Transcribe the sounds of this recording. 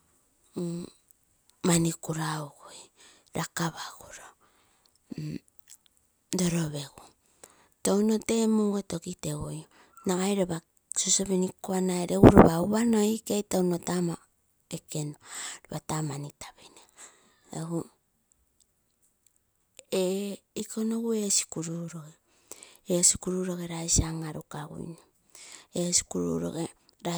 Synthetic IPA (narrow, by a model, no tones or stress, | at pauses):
manikuɾaoɡoj | ɾakaβaɡ̥uɾo | do̞ɾo̞βe̞ɡu | townote̞mueto̞kitewojo | naɡajɾeβa | sosoβenikoanajɾeɡuɾoβauβano̞ikejtownotama | ekenoβatamanitḁβene | ehu | eikʰonoɡue̞si̥kuɾuɾo̞ɡe | esi̥kuɾuɾo̞ɡeɾajsiaŋaɾukaɡṵjno | esi̥kuɾṵɾo̰ɡe | ɾa